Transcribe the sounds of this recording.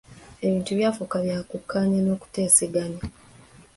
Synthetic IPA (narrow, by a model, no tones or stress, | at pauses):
e̞βiːntuβjaːfukaβjaːkukʰːaːɲeno̞ːku̥te̞ːseɡaɲa